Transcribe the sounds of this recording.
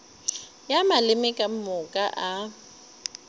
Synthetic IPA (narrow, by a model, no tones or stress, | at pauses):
jamalɪmɛkʼamʊkʼaʔa